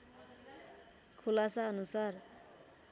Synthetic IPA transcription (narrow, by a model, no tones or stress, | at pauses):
kʰulasaʌnusar